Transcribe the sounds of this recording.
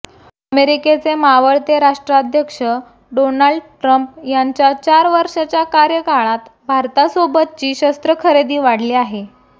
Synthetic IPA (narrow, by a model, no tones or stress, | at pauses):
əmeɾiket͡semaʋəɽt̪eɾaʂʈɾad̪ʱjəkʂə | ɖonalɖʈɾəmpjaɲt͡ɕjat͡ɕaɾʋəɾʂat͡ɕjakaɾjəkaɭ̃at̪bʱaɾt̪asobət̪̚t͡ɕiːɕəst̪ɾəkʰəɾed̪iːʋaɽ̤leaɦe